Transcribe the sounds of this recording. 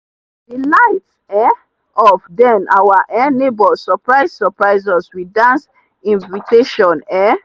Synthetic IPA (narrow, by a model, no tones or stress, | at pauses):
dilaɪt | ɛ | ɔfdɛ̃nawaʔɛ̃nebɔsɔpɹaɪssɔpɹaɪzɔswidãns | ĩnvitʰeʃɔ̃nɛ